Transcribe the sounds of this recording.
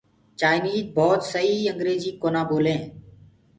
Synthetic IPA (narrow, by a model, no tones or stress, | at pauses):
t͡ʃaːɪniːzbɔːt̪səɦiːəŋɡɾeːziːkoːnãːboːlẽː